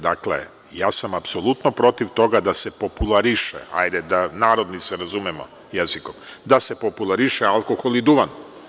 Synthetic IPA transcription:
d̪aklḛ | jaːsamapso̞lˠut̪nopɾo̞t̪iʋt̪o̞ɡad̪ase̞po̞pulˠaɾiʃḛa̰jd̪ed̪anaːɾo̞d̪niseɾazumɛmo̰ | jeziko̞md̪ase̞populˠaɾiʃealˠkoxolid̪uʋan

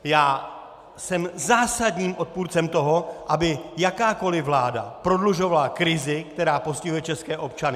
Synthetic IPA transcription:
jaː | sɛmzaːsadɲiːmʔo̞t̪̚puːɾt͡sɛmt̪o̞ɦo̞ʔabɪjakaːko̞lɪvlaːda̰pɾo̞dluʒo̞valakɾɪzɪkt̪ɛɾaːpo̞scɪɦujɛt͡ʃɛskɛːʔo̞p̚t͡ʃanɪ

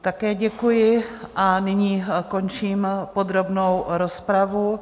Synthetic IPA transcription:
t̪akɛːɟɛkujɪʔanɪɲiːko̞nt͡ʃiːmpod̪ɾo̞bnowɾo̞spɾavu

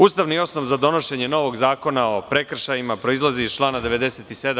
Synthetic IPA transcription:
uːst̪aʋnio̞sno̞ʋzad̪o̞no̞ʃe̞ɲe̞no̞ʋo̞ɡzaːko̞nao̞pɾe̞kr̩ʃajimapɾo̞izlˠaziːzt͡ʃlˠaːnad̪e̞ʋe̞d̪e̞set̪ise̞d̪

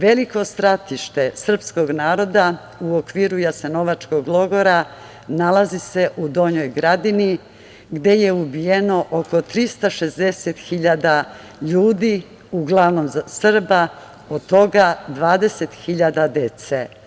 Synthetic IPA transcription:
ʋe̞liko̞st̪ɾat̪iʃt̪e̞sr̩psko̞ɡnaːɾo̞d̪a | uokʋiːɾujaseno̞ʋat͡ʃko̞ɡlˠo̞ɡo̞ɾa | nalazise̞ʔud̪o̞ɲojɡɾad̪ini | ɡd̪e̞je̞ubijeno̞ʔoko̞t̪ɾist̪aʃe̞zd̪e̞set̪xiʎad̪a | ʎuːd̪i | uɡlˠaʋnomsr̩ba | od̪t̪o̞ɡad̪ʋaːd̪e̞set̪xiʎad̪ad̪et̪se

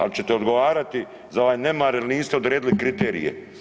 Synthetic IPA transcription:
a̰lit͡ʃe̞t̪eod̪ɡoʋaːɾat̪i | zao̞ʋaːjne̞maːɾeliniːst̪eod̪ɾeːd̪ilikɾit̪e̞ːɾḭjḛ

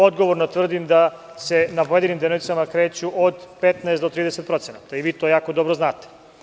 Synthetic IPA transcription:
o̞d̪ɡoʋo̞ɾnot̪ʋr̩d̪imd̪a | se̞napojed̪inimd̪enoʋit̪samakɾeːt͡ɕuʔod̪pet̪naest̪d̪ot̪ɾiːd̪eset̪̚pɾo̞t̪senat̪aiʋiːt̪oːjaːkod̪obɾoznaːt̪e̥

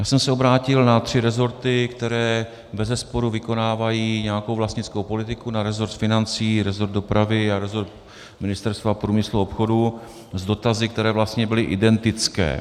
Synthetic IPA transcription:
jaːsɛmsɛo̞bɾaːcɪlnat̪r̝̥ɪɾɛzo̞ɾt̪ɪkt̪ɛɾɛː | bɛzɛspo̞ɾuvɪko̞naːvajiːɲɛjakowvlast̪ɲɪt͡skowpo̞lɪt̪ɪkunaɾɛzoɾt̪fɪnant͡siːɾɛzoɾt̪̚do̞pɾavɪaɾɛzo̞ɾt̪̚ | mɪnɪst̪ɛɾst̪vapɾuːmɪsluo̞pxo̞du | zdo̞t̪azɪk̚t̪ɛɾɛːvlast̪ɲɛbɪlɪʔɪdɛnt̪ɪt͡skɛ̰ː

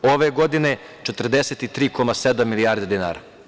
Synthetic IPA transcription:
oʋeɡod̪ine | t͡ʃet̪r̩d̪eset̪it̪ɾiːkomased̪amːilijaːɾd̪ed̪ina̰ːɾa̰

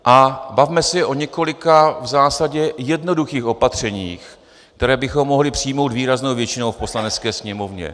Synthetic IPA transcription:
ʔabavmɛsɪʔo̞ɲɛko̞lɪkavzaːsaɟɛjɛdno̞duxiːxʔo̞pat̪r̝̥ɛɲiːx | kt̪ɛɾɛːbɪxo̞mːo̞ɦlɪpr̝̥ijmo̞wt̪viːɾaznowvjɛt͡ʃɪnowfpo̞slanɛt͡skɛːsɲɛmo̞vɲɛ̰

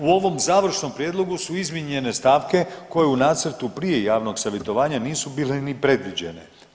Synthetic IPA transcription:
uo̞ʋo̞mzaːʋr̩ʃno̞mpɾjeːd̪lˠo̞ɡusuizmiɲe̞ne̞st̪aːʋke̞ko̞jeunaːt̪sɾ̩t̪upɾije̞jaːʋno̞ɡsaʋjet̪o̞ʋaːɲaniːsubiːlenipɾe̞d̪ʋid͡ʑe̞ne̞̰

